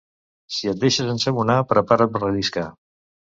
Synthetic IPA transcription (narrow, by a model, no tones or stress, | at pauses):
siət̪̚d̪eʃəzənsəβunapɾəpaɾəpərəliska